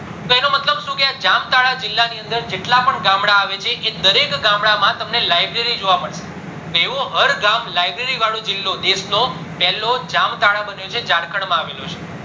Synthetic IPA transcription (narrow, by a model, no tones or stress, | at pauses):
t̪oenomət̪ləbʃũkead͡ʒamt̪aɭad͡ʒɪlːaniənd̪əɾd͡ʒeʈlapəɳɡamɽaːʋet͡ʃʰeʔed̪əɾekɡamɽamãt̪əmnelajbɾeɾid͡ʒoʋaməɭʃe̥ | t̪oeʋũɦəɾɡamlajbɾeɾiʋaɭũd͡ʒɪlːod̪esno | pɛɦlod͡ʒamt̪aɭabənjot͡ʃʰed͡ʒaɽkʰəɳmãaʋelũt͡ʃʰe̥